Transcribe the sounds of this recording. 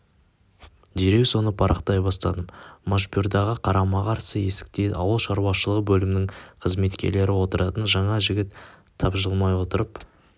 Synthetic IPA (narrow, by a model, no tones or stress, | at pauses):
d̪eɾe̞kso̞nəpʰɑɾʔɑ̰qt̪ɑjbɑst̪ɑ̰d̪əmmaʃbʲjuɾd̪ɑʁəqʰɑɾɑmɑqɑɾsəje̞sɪ̥k̚t̪ed̪ɑ̰wəlˠʃɑɾwɑʃəlˠəʁəbɵlɪmɪnɪŋqʰəzme̞t̪kʲe̞̰ɾle̞ɾɪwo̞t̪əɾʔɑt̪ənʒɑɴɑʒɪɡʲɪt̪ʰː | ɑpʒəlˠmɑjwo̞t̪əɾəp